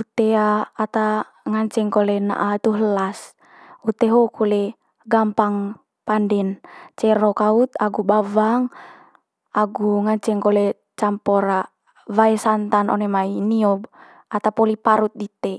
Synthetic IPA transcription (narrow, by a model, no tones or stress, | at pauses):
ut̪eaːt̪a | ŋaɲt͡ʃɛŋkolɛna̰ʔat̪uɦəlas | ut̪ɛɦokʰulɛ | ɡampaŋ | pandɛnt͡ʃɛɾokaut̪aɡubavaŋ | aɡuŋaɲt͡ʃɛŋkolɛ | t͡ʃampɔɾa | vaesant̪anɔ̰nemainiɔb | at̪apɔlipaɾut̪̚dit̪ɛ